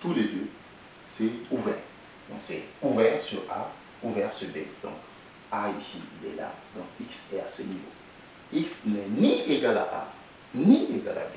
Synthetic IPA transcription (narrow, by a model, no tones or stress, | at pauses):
t̪uled̪ø | sɛuvɛːʁ | d̪ɔ̃ksɛuvɛʁsyʁa̰ | uvɛʁsyʁbed̪ɔ̰̃ŋk | aisilɛ̰la̰d̪ɔ̃kiksɛasənivo̰ | iksnɛnieɡalaʔa̰ | nieɡa̰la̰be